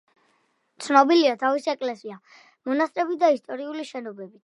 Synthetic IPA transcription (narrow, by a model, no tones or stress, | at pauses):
t̪sʰnɔbiliat̪ʰavisiɛkʼlɛsia | mɔnast̪ʼɾɛbid̪aist̪ʼɔɾiuliʃɛnɔbɛbit̪ʰ